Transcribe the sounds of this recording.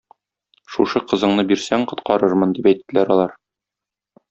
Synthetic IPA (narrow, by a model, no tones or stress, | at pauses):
ʃuʃɤqɤ̆zɤ̆ɴnɤbiɾsæŋqŏt̪qɑɾɤɾmɤnd̪ipæjt̪ːɘ̆læɾɒlˠɑɾ